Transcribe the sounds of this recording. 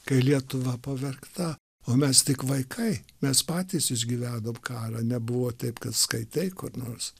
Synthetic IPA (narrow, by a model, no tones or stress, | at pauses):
kɐɪlʲiɛt̪ʊʋɐpɐʋʲɛrkt̪ɐ | oːmʲɛst̪ʲɪkʋɐɪkʰɐɪmʲɛspɑːt̪ʲiːsɪʒʲɡʲiʋʲæːd̪oːmkɑːɾɑːnʲɛbʊʋoːt̪ʲɛɪpkɐt̪skɐɪt̪ʲɛɪkʊrnoːɾs